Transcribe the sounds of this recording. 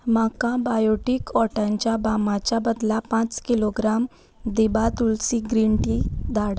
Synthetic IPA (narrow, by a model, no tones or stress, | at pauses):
makãbajoʈikɔʈãɲt͡ɕjabamat͡ɕjabəd̪lapãt͡skiloɡɾam | d̪ibat̪ulsiɡɾiɳʈid̪ʱaɽa